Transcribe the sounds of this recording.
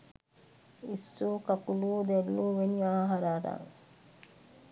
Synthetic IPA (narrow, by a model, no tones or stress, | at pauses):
isːoːkakuluːd̪elːuːʋeniaːɦaɾaːɾa̰ŋ